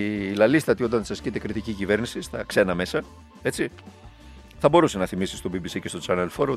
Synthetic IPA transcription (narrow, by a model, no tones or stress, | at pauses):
lɐlist̪ɐt̪io̞t̪̬ɐnsɐscit̪ekɾit̪icicive̞ɾnisist̪ɐkse̞nɐme̞sɐ | e̞t͡si | θɐbo̞ɾusenɐθimisist̪o̞bibisicest̪ot͡sɐnelfoɾo